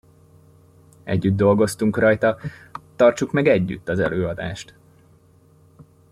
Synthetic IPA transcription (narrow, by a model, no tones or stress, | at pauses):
ɛ̰ɟːyd̪̚d̪o̞lɡo̞st̪uŋkrɒjt̪ɒt̪ɒrt͡ʃukmɛɡɛɟːy̰t̪ːɒzɛ̰løːɒd̪a̰ːʃt̪